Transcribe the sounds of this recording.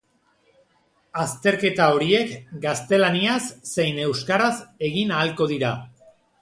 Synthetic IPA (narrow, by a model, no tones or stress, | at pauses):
ast̪e̞ɾke̞t̪ao̞ɾie̞kɡast̪e̞laniasːe̞jne̞wskaɾase̞ɣinaːlko̞ð̞iɾa